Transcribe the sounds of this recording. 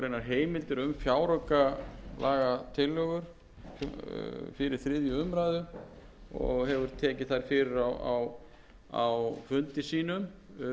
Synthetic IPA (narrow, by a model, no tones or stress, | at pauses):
ɾejnaɾ̥ɦeːjmɪlt̪ɪɾʏmfjaːwɾœkalʔaːɣat̪ʰɪlːœɣʏɾ̥ | fɪɾɪɾ̥θɾɪðjʏʏmɾajðʏ | ɔ̰ɣɦɛvʏɾ̥t̪ʰɛːcɪθajɾ̥fɪɾɪɾawa̰w | a̰wfʏnt̪ɪsiːnʏm